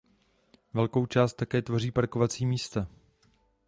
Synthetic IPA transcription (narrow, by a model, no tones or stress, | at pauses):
vɛlko̞wt͡ʃaːst̪ːakɛːt̪vo̞riːpaɾko̞vat͡siːmiːst̪a